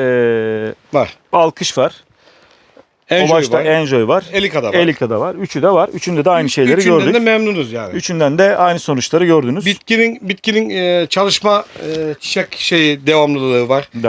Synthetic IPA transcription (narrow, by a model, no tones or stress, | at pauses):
ɛ | vaɾ̥alˠkʰɯʃvaɾ̥ | ɛnoʒbat͡ʃ̪aɾɛnd͡ʒojvaɾelʲikad̪aelʲikʰad̪avaɾyt͡ʃʰyd̪ɛvaɾyt͡ʃʰynd̪ɛd̪ɛajnɯʃe̞jlʲe̞ɾiɟøɾd̪yɛmɛmnunuzjaːnɪyt͡ʃʰynd̪ænd̪ɛajnɯso̞nut͡ʃlˠaɾɯɟø̞ɾd̪ynyzbit̪cininbit̪cininːt͡ʃʰalˠɯʃmaːt͡ʃʰi̥ʃɛcʃe̞jid̪e̞vamlˠɯlˠɯlˠɯːvaɾ̥d̪